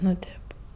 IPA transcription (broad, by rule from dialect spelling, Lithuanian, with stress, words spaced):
nʊ ˈtʲeːp